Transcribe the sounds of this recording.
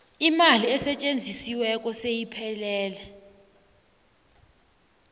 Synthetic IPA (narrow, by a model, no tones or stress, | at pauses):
imaliɛsɛt͡ʃʼend͡zʱisiwɛk̬ʼɔsejipʰɛlɛːlɛ